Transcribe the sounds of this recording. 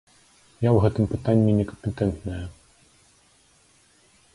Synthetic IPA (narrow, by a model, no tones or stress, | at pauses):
jawɣɛt̪ɨmpɨt̪anʲːinʲɛkɐmpʲɛt̪ɛnt̪nɐjɐ